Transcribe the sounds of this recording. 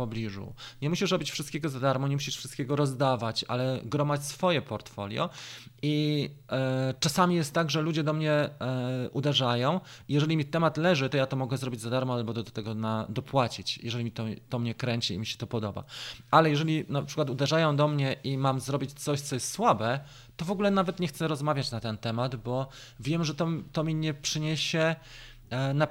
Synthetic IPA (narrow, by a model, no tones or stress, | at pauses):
pɔblʲiʐṵɲɛmuɕiʂɾɔbʲit͡ɕfʂɨst̪kʲɛɡɔzad̪aɾmɔɲɛmuɕiʂfʂɘst̪̚kʲɛɡɔɾɔzd̪avat͡ɕa̰lɛɡɾɔmat͡ɕsfɔjɛpɔɾt̪fɔlʲjɔ̰ | i | t͡ʂasamʲijɛst̪tːaɡʐɛlud͡ʑɛd̪ɔmɲɛ | ʔud̪ɛʐajɔ̃w̃ijɛʐɛlʲimʲitt̪ɛmat̪lɛʐɘt̪ɔjat̪ɔmɔɡɛzɾɔbʲid͡ʑzad̪aɾmɔalbɔd̪ɔt̪ɛɡɔnad̪ɔpwat͡ɕit͡ɕjɛʐɛlʲimʲit̪ɔt̪ɔmɲɛkɾɛɲt͡ɕiḭmʲiɕɛ̥t̪ɔpɔd̪ɔba̰alɛjɛʐɛlʲinapʂɘkwat̪ud̪ɛʐajɔ̃w̃d̪ɔmɲɛʔimamzɾɔbʲit͡ɕt̪sɔɕt̪sɔjɛst̪swabɛ | t̪ɔvɔɡulɛnavɛt̪ɲɛxt̪sɛɾɔzmavʲjat͡ɕnat̪ɛnt̪ɛmad̪bɔ | vʲjɛmʐɛt̪ɔt̪ɔmʲiɲɛpʂɘɲeɕɛ | na